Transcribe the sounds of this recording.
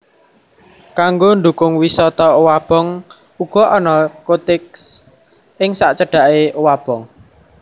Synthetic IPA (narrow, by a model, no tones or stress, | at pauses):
kaŋɡond̪ukʊŋwisɔt̪ɔwab̥ɔ̤ŋ | uɡ̥ɔ̤ʔɔnɔkot̪ɪks | ɪŋsaʔt͡ʃəɖ̥a̤ʔewab̥ɔ̤ŋ